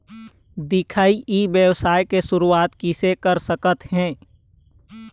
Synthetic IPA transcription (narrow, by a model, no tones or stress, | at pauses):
d̪ɪkʰaːiʔiʋjəwsaːjkesʊɾuaːt̪kisekəɾsəkət̪hɛ̃ː